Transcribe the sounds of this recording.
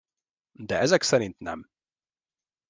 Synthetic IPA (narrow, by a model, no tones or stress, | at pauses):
d̪ɛɛzɛksɛɾint̪nɛ̰m